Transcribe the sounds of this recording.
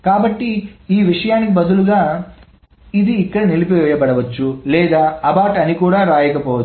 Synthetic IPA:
kaːbɐʈːiiːʋiʂɐjaːnikibɐd̪uluɡaː | id̪iːkːɐɽɐnilipɔːjɐbɐɽɐʋɐt͡ʃːulɛːd̪aːɐbaːʈɐnikuːɽaːɾaːjɐkɐpɔːʋɐt͡ʃː

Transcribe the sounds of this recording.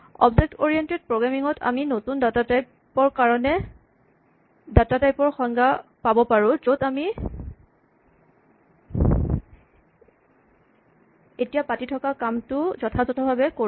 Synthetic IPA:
ɔ̰bzɛk̚toɹijɛntɛd̚pɹoɡɹamiŋɔtʰa̰minotundatataj | ɔɹkaɹɔnɛ | datatajpɔɹxɔŋɡapabɔpaɹʊ̃zodami | etijapatitʰɔkakamtʊzɔtʰazɔtʰɔbʱabɛko

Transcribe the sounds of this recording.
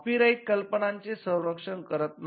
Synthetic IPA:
piɾaikəlpəɳaɲt͡sesə̃w̃ɾəkʂəɳkəɾət̪n

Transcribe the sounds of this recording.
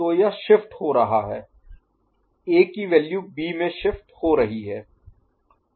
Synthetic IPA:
oːjaʃɪfʈ̪hoɾɐɦaɦɛː | eːkiʋɛːljubiːmẽʃɪfʈ̪hoːɾɐɦiɦɛː

